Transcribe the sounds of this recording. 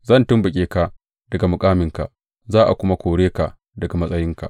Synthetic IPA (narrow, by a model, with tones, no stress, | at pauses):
zɐ˦˨ntʊ˦mbʊ˨kʲʼeː˦ka˨ | d̥ɐ˨ɡa˨mʊ˨kʼaː˦mɪ˨ŋka̰˨ʔ | zaː˦ʔa̰˨kʷʊ˦ma˦kʷoː˨ɽeː˦ka˨ʔ | dɐ˨ɡa˨mɐ˦sʼɐ˦jɪ˦ŋka̰˨ʔ